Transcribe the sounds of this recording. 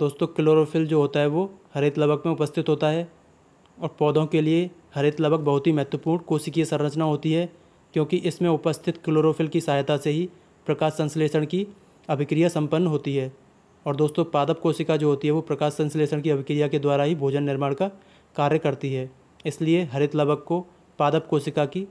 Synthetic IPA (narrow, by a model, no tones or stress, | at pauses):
d̪̥oːst̪õkɪloːɾoːpʰɪld͡ʒoːɦoːt̪aɦɛʋohɐɾeːt̪lɐbʱəkmẽʊpəst̪ʰɪt̪ɦoːt̪aɦɛː | ɔːɾpɔːd̪õkeliehɐɾeːt̪ləbʱək̚bɐɦʊt̪ɦimɛɦt̪wəpuːɾɳkoːsikiesɐ̃ɾɾət͡ʃnaɦoːt̪iɦɛ | kjõːkiʔɪsmẽʊpəst̪ʰɪt̪kɪloːɾoːfʰɪlkisaːɦjt̪aseɦi | pɾɐkaːʃsɐ̃nsleːsəɽ̃ki | ɐbʱɪkɾijasɐ̃mpənːɦoːt̪iɦɛː | ɔːɾd̪oːst̪õpaːd̪əp̚koːsɪkad͡ʒoːɦoːt̪iɦɛʋopɾɐkaːʃsɐ̃nsleːsəɽkiɐbɪkɾijaked̪waːɾaɦibʱoːd͡ʒənːɪɾmaːɽ̃ka | kaːɾjəkɐɾt̪iɦɛː | ɪslieɦɐɾɪt̪lɐbəkːo | paːd̪əpkoːsɪkaki